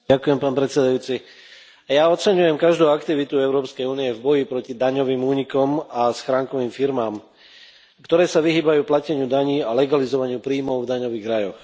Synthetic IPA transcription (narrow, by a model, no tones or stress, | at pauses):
akujɛmpaːnpɾɛt̪sɛd̪ajuːt͡si | jaːɔt̪̚t͡sɛɲujɛmkaʒd̪uːakt̪iʋit̪uɛʊɾɔːpskɛjuːniɛvbɔjipɾɔcid̪aɲɔʋiːmuːɲikɔmasxɾaːŋkɔʋiːmfiɾmaːm | kt̪ɔɾɛːsaʋiɦiːbajuːplacɛɲɪud̪aɲiːalɛɡalizɔʋaɲɪupɾiːmɔʊvd̪aɲɔʋiːɣɾajɔx